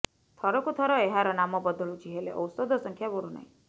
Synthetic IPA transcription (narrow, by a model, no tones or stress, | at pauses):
t̪ʰɔɾɔkut̪ʰɔɾɔeɦaɾɔnamɔbɔd̪ɔɭut͡ʃʰiɦelḛʔɔ̰wsɔd̪ʱɔsɔŋkʰjaboɾuna̰ĩ